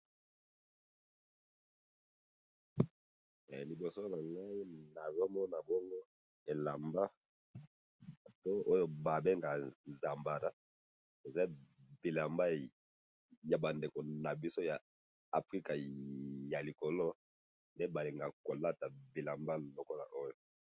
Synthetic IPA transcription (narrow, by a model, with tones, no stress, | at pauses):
li˨bo˨so˦na˨ŋɡa˦i˦na˨zɔ˦mɔ˦na˨bɔ˦ŋɡo˦ | e˨la˨mba˦˨ | to˦ʔo˦jo˦ba˨be˦ŋɡa˨za˨mba˨ɾa˦ | e˨za˦bi˨la˨mba˦ | ja˨ba˨nde˨ko˨na˨bi˦so˦ja˨ | a˨fʁi˦ka˨ja˨li˨ko˨lo˦ | nde˦ba˨li˨ŋɡa˨ko˨la˦ta˨bi˨la˨mba˦lo˨ko˦la̰˨ʔo˦jo˨